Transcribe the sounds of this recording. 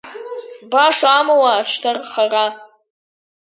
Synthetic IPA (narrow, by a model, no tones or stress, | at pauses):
baʂaamawaːʈ͡ʂʷʰtʰarχara